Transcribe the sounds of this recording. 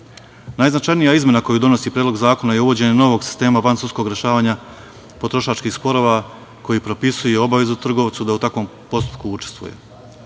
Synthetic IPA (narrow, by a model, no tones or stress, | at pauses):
naːjznat͡ʃajnijaizme̞nako̞jud̪o̞no̞sipɾeːd̪lo̞ɡzaːko̞najeuʋo̞d͡ʑe̞ɲeno̞ʋo̞ɡsi̥st̪e̞ːmafansusko̞ɡɾe̞ʃaːʋaːɲa | po̞t̪ɾo̞ʃaːt͡ʃkixspo̞ɾo̞ʋa | ko̞jipɾo̞pisuje̞o̞baʋe̞zut̪r̩ɡo̞ʋt̪sud̪aut̪akʋo̞m | po̞st̪u̥pkuut͡ʃest̪ʋṵjḛ